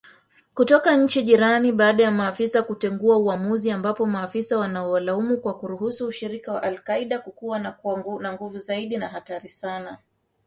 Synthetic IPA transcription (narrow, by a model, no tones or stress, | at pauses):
kutɔkaɲ̩t͡ʃiʄiɾaniɓaːɗajamaːfisakutɛŋɡuauamuziambapɔmaːfisawanaɔwalaumukwakuɾuɦusuːʃiɾikawa̰ʔalkaiɗakukuwanaŋɡuvuzaiɗinaɦataɾisana